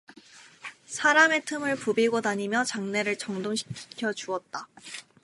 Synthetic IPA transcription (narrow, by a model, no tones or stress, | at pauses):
sʰaɾame̞tʰɯmɯɭpubiɡotaɲimjʌt͡ɕaŋne̞ɾɯɭt͡ɕʌŋdoŋɕʰi̥kʰi̥kʰjʌt͡ɕuʌt̚t͈a